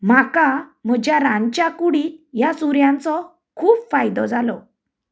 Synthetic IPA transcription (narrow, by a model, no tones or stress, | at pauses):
m̤akam̤əd͡ʑjaɾãɲt͡ɕjakuɽijasuɾjãnt͡sɔ | kʰuːpfajd̪ɔd͡zalɔ